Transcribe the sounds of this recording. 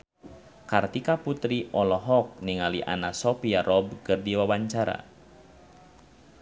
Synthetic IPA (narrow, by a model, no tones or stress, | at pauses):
kart̪ikaput̪ɾiʔɔlɔɦɔk̚niŋaliʔa̰nasɔpiaɾʔɔb̚kɨrdiwawaɲt͡ʃaɾa̰